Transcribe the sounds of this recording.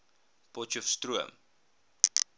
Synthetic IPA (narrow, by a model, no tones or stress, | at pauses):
pɔt͡ʃɔfstruəm